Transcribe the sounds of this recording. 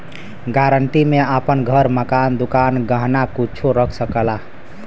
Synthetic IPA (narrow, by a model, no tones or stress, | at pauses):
ɡaɾəɳʈimeapənɡʱəɾməkand̪ukanɡəɦnakut͡ʃʰuɾəkʰsəkəla